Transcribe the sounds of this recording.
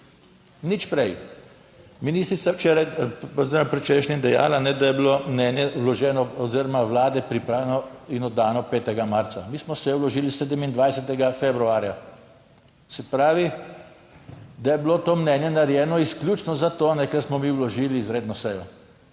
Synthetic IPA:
nit͡ʃpɾɛj | miniːst̪ɾit̪sawt͡ʃɛɾajɔziːɾomapɾɛt͡ʃɛʃnimd̪ɛja̰ːlanɛd̪ajɛbilomnɛnjɛwlɔʒɛːnɔːziɾɔmawlaːd̪ɛpɾipɾaːlɛnɔinɔd̪aːnɔpeːt̪ɛɡamaɾt̪samiːsmɔsɛjɛwlɔʒiːliseːd̪əmind̪ʋajsɛt̪ɛɡafebɾuaːɾja | sɛpɾaːʋi | d̪ajɛbilot̪oːmnɛːnjɛnaɾjɛːnɔisklʲjut͡ʃnɔzat̪oːnɛkɛɾsmɔmiwlɔʒiːliːzɾeːd̪nɔsɛjɔ

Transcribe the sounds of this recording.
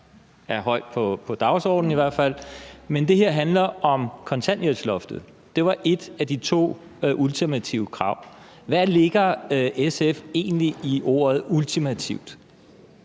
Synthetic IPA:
æɐɦɒ̽ɪ̰d̥̚pʰɒpʰɒ̽d̥ɑ̈ʊsɒ̰ːd̥n̩iʋæɐ̰̥fæl̰mend̥e̝ɦeɐ̰ɦænlɐɒ̽mkʰɒ̽nt͡sʰænɐslɒ̽fd̥ð̩ˠ | d̥e̝ʋɑ̈ʔe̝d̥æd̥it͡sʰo̝̰ː | ʔult͡sʰimæt͡sʰiʊəkʰʁɑ̈ʊ̰ | ʋæle̝ɡ̥ɐʔesefe̝̰ːnliʔiʔo̝̰ːɐð̞̩ˠult͡sʰimæt͡sʰiʊ̰d̥

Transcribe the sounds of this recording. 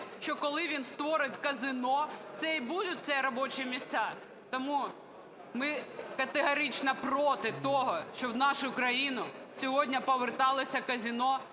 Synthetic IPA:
ʃt͡ʃɔkɔlˠɪʋʲinst̪ʋɔɾɪtʲkɐzɪnɔt̪sɛibud̪ʊt̚ʲt̪sʲɛɾɔbɔt͡ʃɪmʲisʲt͡sʲːa | t̪ɔmu | mɪkɐt̪eɦɐɾɪt͡ʃnɐpɾɔt̪ɪt̪ɔɦɔʃt͡ʃɔwnɑʃʊkɾɐjinʊ | sʲɔɦɔdʲnʲɐpɔʋert̪ɑlˠɔsʲɐkɐzʲinɔ

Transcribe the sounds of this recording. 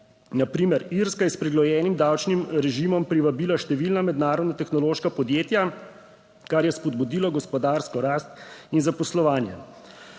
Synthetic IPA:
napɾiːmɛɾiɾskajɛspɾɛɡlɔjɛːnimd̪awt͡ʃnimɾɛʒimɔmpɾiʋabiːlaʃt̪ɛʋiːlnamɛd̪naːɾɔd̪nat̪ɛxnɔloːʃkapɔd̪jeːt̪ja | kaɾjɛspɔd̪̚bud̪iːlɔɡɔspɔd̪aːɾskɔɾast̪inzapɔslɔʋaːnjɛ

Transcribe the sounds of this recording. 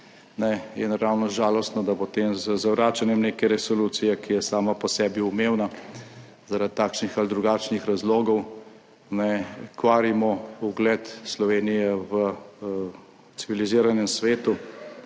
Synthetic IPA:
nɛjɛnɾawnɔʒaːlɔst̪nɔd̪apot̪eːmzəzawɾaːt͡ʃanjɛmneːkɛɾɛsɔluːt̪sijɛkijɛsaːmapɔsɛːbiumeːwna | zaɾad̪t̪ːaːkʃnixald̪ɾuɡaːt͡ʃnixɾazloːɡɔw | nɛkʋaːɾimɔuɡlɛt̪slɔʋeːnijɛʋə | t̪siʋiliziːɾanjɛmsʋeːt̪u

